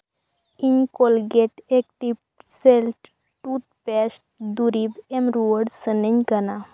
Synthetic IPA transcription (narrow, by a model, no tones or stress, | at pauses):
iɲkolɡeʈek̚ʈip̚ | selʈ | ʈut̪̚pɛsʈ̚d̪uɾibemɾuəɽsəneɲkəna